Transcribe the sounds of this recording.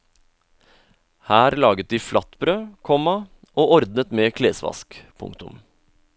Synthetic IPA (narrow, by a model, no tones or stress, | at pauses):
hæːɾlɑːɡət̪̚d̪iːflʔɑt̪bɾøːkʰɔmɑ | ʔoːɔɾd̪nət̪meːkʰleːsʋɑ̰skpʰʊ̰ŋkt̪ʉm